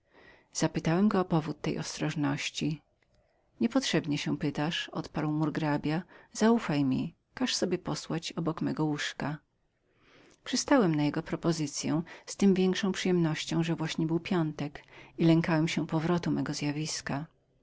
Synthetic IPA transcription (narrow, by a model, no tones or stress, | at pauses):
z̥apɘt̪awɛmɡɔːpɔvut̪ːɛ̰jʔɔ̰st̪ɾɔʐnɔɕt͡ɕi | ɲɛpɔt̪ʂɛbɲɛɕɛ̃pɘt̪aʂɔ̰t̪paɾwmuɾɡɾabʲjaz̥aufajmʲḭ | kaʂsɔbʲjɛpɔswat͡ɕɔbɔkmɛɡɔwuʂka | pʂɨst̪awɛmnajɛɡɔpɾɔpɔzɘt̪sʲjɛ̰w̃st̪ɘmvʲjɛŋkʂɔ̃w̃pʂɨjɛmnɔɕt͡ɕɔ̃w̃ʐɛvwaɕɲɛbɘwpʲjɔnt̪ɛkilɛŋkawɛmɕɛpɔvɾɔt̪umɛɡɔzjavʲiska